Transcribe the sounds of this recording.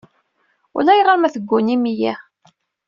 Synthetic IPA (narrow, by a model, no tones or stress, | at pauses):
ʊ̰læjʁəɾmæθəɡʷːunimijæ